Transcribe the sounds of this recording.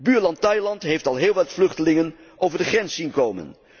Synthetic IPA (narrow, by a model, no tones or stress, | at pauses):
byːɹlɑntɑjlɑntɦejftɑlˠɦɪːlˠʋɑtflɵχtəlɪŋən | ʔowvəɹdəχrɛnsːinkowmə̰n